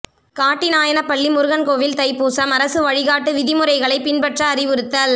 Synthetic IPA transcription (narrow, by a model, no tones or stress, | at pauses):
kaːʈːinaːjɐnɐpːɐɭːimʊɾɯɣɐnkoːʋɪlt̪ɐɪpuːsɐmɐɾɐsɯʋɐɻɪɣaːʈːɯʋɪðɪmɯɾɐɪɣɐɭɐɪpɪnbɐʈrɐːɾɪʋɯɾɯt̪ːɐl